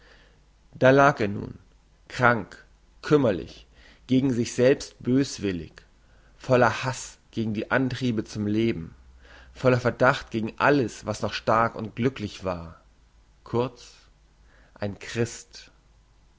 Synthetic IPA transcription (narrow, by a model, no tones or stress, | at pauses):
d̥aːlaːkeːɐnṵːn | kʁ̥aŋk | kʰʏmɐlɪ̰ç | ɡ̥eːɡŋ̩zɪçz̥ɛlpst̚b̥øːsv̥ɪlɪ̰ç | fɔlɐhasɡ̥eːɡŋ̩diːʔantʁ̥iːbət͡sʊmleːbm̩ | fɔlɐfɛɐdaχtɡ̥eːɡŋ̩ʔa̰ləsv̥asnɔχʃtaɐkʊ̰nt̚ɡ̥lʏklɪçv̥aːɐ | kʰʊɐt͡s | ʔaɪnkʁ̥ɪst